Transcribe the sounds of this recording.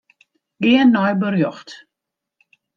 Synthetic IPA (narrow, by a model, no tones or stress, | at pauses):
ɡɪənːɔjbərjɔxt